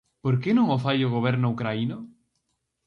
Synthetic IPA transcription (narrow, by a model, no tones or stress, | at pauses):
poɾkenõŋofajoɣoβ̞ɛɾnoukɾaino